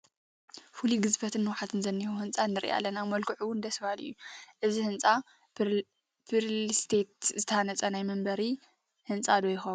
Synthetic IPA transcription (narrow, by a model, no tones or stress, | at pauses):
fuliɡɨzbɐt̪ʰɨnːɨwħat̪ʰɨnzɐnːihuhɨnt͡sʼanːɨɾḭʔa̰lːɐnamɐlkʰɨʕuwʊnd̪ɐsbalɨ̰jːuʔɨzihɨnt͡sʼa | bɨɾlist̪ʰe̞t̪zɨt̪ʰɐhanɐt͡sʼɐnajmɐmbɐɾi | hɨnt͡sʼad̪ojɪxɐβ